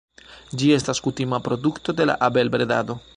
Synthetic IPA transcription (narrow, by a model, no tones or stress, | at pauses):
d͡ʒie̞staskutimapɾo̞dukto̞de̞la̰ʔabe̞lbɾeda̰do̞